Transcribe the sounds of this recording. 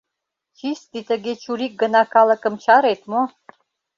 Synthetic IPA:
t͡ɕist̪it̪ə̆ɡet͡ɕuɾik̚ɡə̆nɑkɑlə̆kə̆mt͡ɕɑɾet̪mo

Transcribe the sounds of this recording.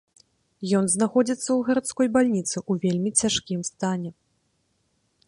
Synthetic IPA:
jɔn̪znaxɔd͡zʲit̪sːɐwɣɐɾat̪skɔjbalʲnʲit̪sɨʔuvʲelʲmʲit͡sʲaʂkʲimst̪anʲɛ

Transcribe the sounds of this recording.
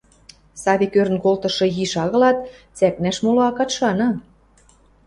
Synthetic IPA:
sɑβʲikøɾə̆nkolt̪ɤ̆ʃɤ̆jiʃɑɣɤ̆lɑt̪̚ | t͡sæknæʃmuloɑkɑt̪ʃɑnɤ̆

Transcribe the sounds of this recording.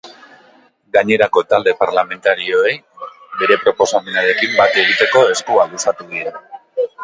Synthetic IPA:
ɡaɲe̞ɾako̞t̪ald̪e̞paɾlame̞nt̪aɾio̞e̞j | be̞ɾe̞pɾo̞po̞samenaɾe̞kimbat̪e̞ɣ̞it̪e̞ko̞e̞skualusat̪uðiɾa

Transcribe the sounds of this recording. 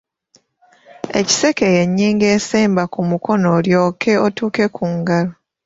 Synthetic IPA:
e̞̰ci̥se̞ke̞jeɲːiːŋɡe̞ːseːmbakumuko̞noljo̞ːkʰe̞otuːke̞kʰuːŋɡalo

